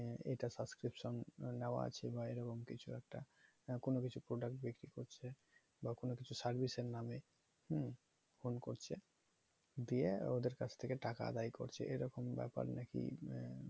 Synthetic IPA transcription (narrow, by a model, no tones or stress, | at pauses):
ḛjʈasabskɾipʃonːeoa̰a̰t͡ɕʰebaeɾɔkomkit͡ɕʰuɛk̚ʈa | konokit͡ɕʰupɾoɖak̚ʈ̚bikɾikoɾt͡ɕʰe | bakonokit͡ɕʰusaɾbʱiseɾname | h | fonkoɾt͡ɕʰe | d̪iḛod̪eɾkat͡ɕʰt̪ʰekeʈaka̰a̰d̪ajko̰ɾt͡ɕʰḛʔeɾɔkombɛ̰pa̰ɾnekḭ